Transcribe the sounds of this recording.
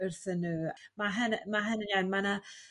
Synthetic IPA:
ərθənːuːmaɦɛnmaɦənənjanmana

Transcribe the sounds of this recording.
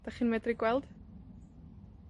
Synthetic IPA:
d̥aχinmɛdriɡwɛlˠd̥

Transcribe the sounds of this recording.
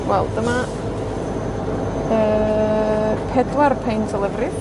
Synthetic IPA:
wɛlˠdəma | ə | pʰɛdwarpʰejntʰəlˠɪvrɪ

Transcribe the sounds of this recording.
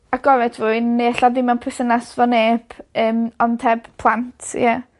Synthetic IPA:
aɡɔvɛdʰvuːɨnːeɛɬadɪmanpʰrɪsənasvɔneːbəːmɔntʰɛb̥pʰlˠantʰja

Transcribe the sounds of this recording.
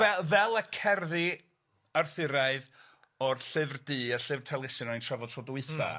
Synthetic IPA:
ɛvɛlˠəkʰɛrðɪ | arθɪɨɾaɨð | ɔrɬɨvrdɨːaɬɨvrtʰɛlˠɪsɪnɔɨntʰravɔd̥tʰɔdwɨθa̰

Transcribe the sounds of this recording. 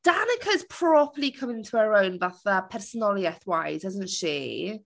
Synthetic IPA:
d̥anəkʰəz̥pʰɹ̥ɔpʰəlikʰə̃mɪ̃ntʰuəɹownvaθəpʰɛrsənɔlˠjɛθwajzɪzəntʃḭ

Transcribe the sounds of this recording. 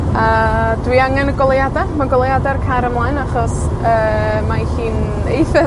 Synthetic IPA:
adwiaŋɛnəɡɔlˠjadamaɡɔlˠjadarkʰaɾəmlˠaɨnaχɔs | əːmahiːn | ejθɪ

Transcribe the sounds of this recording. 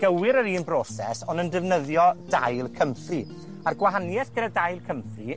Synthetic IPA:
ɡ̥əwɪɾəɾiːnbrɔsɛsɔnəndɪvnəðjɔd̥ajlˠkʰəmfri | arɡwaɦanjɛθɡ̥ədadajlˠkʰəmfri

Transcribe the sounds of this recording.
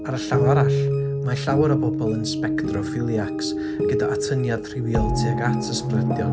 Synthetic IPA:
aɾəɬawaɾaɬ | maɬawəɾɔbɔbɔlˠənspɛktrɔfɪlˠjaks | aɡədaʔatʰənjad̥r̥ɪwilˠtʰiəɡatʰəsprɛdjɔn

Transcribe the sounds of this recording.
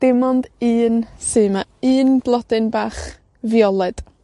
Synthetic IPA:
d̥ɪmɔndɨːnsɨmaɨːnblˠɔd̥ɨnbaːχ | vjɔlˠɛd̥

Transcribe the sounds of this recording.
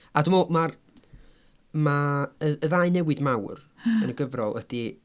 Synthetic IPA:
adumɔmar | maəəðajnɛwɨdmawr | ənəɡəvrɔlˠə̰d̥i

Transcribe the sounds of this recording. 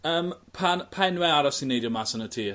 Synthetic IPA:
əːmpʰanpʰaɛnwɛaɾɔsinːejdjʊmasənətʰiː

